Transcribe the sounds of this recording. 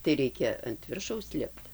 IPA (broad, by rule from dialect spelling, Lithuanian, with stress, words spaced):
tɐɪ ˈrʲɛɪkʲɛ ɐnt ˈʋʲɪrʃɐʊs ˈlʲɪpt